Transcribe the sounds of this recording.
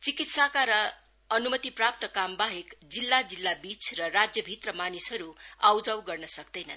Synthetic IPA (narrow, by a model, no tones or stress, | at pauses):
t͡sikit̪sakaɾʌ | ʌnumʌt̪iprap̚t̪ʌkambaɦekd͡zilːad͡zilːabit͡sʰrʌrad͡zjʌbʱit̪rʌmanisɦʌɾuawd͡zʌwɡʌrnʌsʌkd̪ʌjnʌn